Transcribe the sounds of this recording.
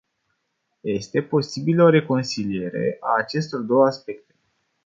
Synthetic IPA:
je̞st̪e̞po̞sibiləoɾe̞ko̞nsilie̞ɾe̞̰ʔaːt͡ʃe̞st̪o̞rd̪o̞wəaspe̞k̚t̪e̞

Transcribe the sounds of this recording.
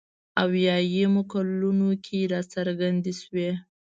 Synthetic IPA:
awjɑjemokalunokʰeɾɑt͡saɾɡand̪eʃwe

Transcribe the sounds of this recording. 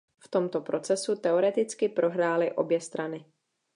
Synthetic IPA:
ft̪o̞mt̪o̞pɾo̞t͡sɛsut̪ɛo̞ɾɛt̪ɪt͡skɪpɾo̞ɦɾaːlɪʔo̞̰bjɛst̪ɾanɪ

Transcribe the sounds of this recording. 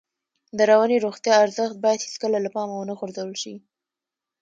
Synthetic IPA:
d̪əɾawaneɾoxt̪jɑaɾzəxt̪̚bɑjad̪hiskəlalapɑmawənaxʊɾzawəlʃi

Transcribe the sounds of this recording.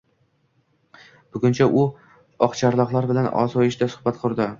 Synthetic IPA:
b̥ʊɡʲʊnt͡ʃʰaʔʊ | ɒqt͡ʃʰaɾlˠɒqlˠaɾbɪlanɒ̰zɒjɪʃd̪asʊ̥hbat̪̚qʰʊɾˠd̪ɪ

